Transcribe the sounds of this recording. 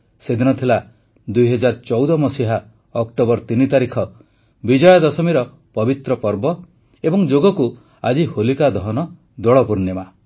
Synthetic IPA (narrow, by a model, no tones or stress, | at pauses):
sed̪ʱinɔt̪ʰila | d̪ujɦɔd͡ʒaɾt͡ʃɔwd̪ɔmɔsiɦa | ɔkʈobɔɾt̪init̪aɾikʰɔ | bid͡ʒɔjɔd̪ɔsɔmiɾɔ | pɔbit̪ɾɔpɔɾbɔ | ebɔŋd͡ʒoɡɔku | ad͡ʒiholikad̪ɔɦɔnɔ | d̪ɔɭɔpuɾnjɔma